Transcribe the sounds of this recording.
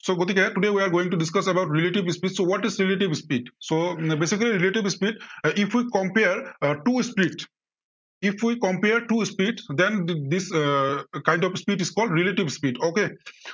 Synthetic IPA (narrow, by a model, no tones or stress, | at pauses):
soːɡot̪ikeeʈuɖeʋiaɾɡoːĩŋʈuɖɪskəsɛbaʊʈɾeleʈiʋspiʈsoʋɔʈizɾeleʈiʋspiːɖsobeːsikəliɾileʈiʋspiːɖifʰwikɔ̃mpeəɾʈuːspɾiʈ | ifʰwikɔ̃mpeəɾʈuspiʈsd̪ɛ̃nd̪is | kãɪ̃ɳɖɔʋspiːʈiskɔːlɖɾeleʈiʋspiːɖoːke